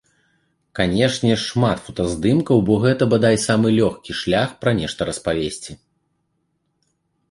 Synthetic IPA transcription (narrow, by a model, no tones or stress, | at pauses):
kanʲɛʂnʲɛʂmat̪fɔ̥t̪ɐzd̪ɨmkɐwbɔɣɛt̪ɐbad̪ajʲsamɨlʲɔxkʲiʂlʲaxpɾɐnʲɛʂt̪ɐɾɐspavʲesʲt͡sʲi